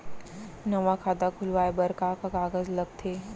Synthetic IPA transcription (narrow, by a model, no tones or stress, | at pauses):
nəʋakʰad̪akʰulʋajbəɾkakaɡaɡəd͡zləɡ̚t̪ʰe